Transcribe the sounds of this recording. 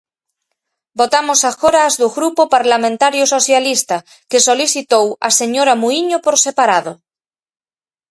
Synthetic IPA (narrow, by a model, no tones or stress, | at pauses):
bot̪amosaxoɾazðuɣɾupopaɾlamẽnt̪aɾjosoθjalist̪a | kesoliθit̪owa̰seɲoɾamuiɲopoɾsepaɾaðo